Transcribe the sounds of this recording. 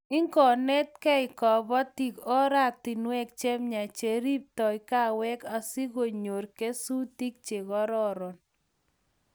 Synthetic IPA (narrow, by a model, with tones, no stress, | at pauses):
i˦ŋkɔ˨nɛ˦t̚kɛ˦ɪ˨kɔ˨bɔ˦ti˨kɔ˦ɾa˦˨k̚ti˨nwɛ˦k̚t͡ʃe˦mɲa˨t͡ʃe˨ɾi˦p̚tɔ˨jka˦wɛ˦ka˨si˦ɣo˨ɲo˨ɾke˦su˦ti˦k̚t͡ʃe˨ɣɔ˦ɾɔ˦ɾɔ˨n